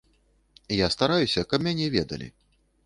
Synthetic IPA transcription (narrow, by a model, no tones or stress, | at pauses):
jast̪aɾajusʲɐkɐpmʲanʲɛvʲɛd̪ɐ̰lʲḭ